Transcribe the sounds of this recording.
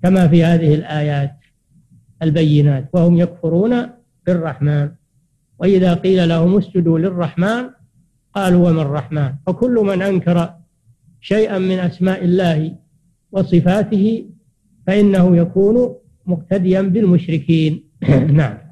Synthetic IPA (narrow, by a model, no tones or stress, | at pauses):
kamaːfiːhaːðɪhɪlʔaːjaːt̪ | ʔalbajːɪnaːt̪wahʊmjakfʊɾuːna | lɪrˤːɑħmaːn | waʔɪðaːqiːlalahʊmʊsd͡ʒɪd̪ulɪrˤːɑħmaːn | qɑːluːwamɪrˤːɑħmaːnfakʊlːʊmanʔaŋkɑɾˤɑ | ʃajʔamːɪnʔasmaːʔɪlːaːhɪ | wɑsˤɨfaːt̪ɪhɪ | faʔɪnːahʊjakuːnʊ | mʊqt̪ad̪ɪjambɪlmʊʃɾɪkʰiːnː | aʕam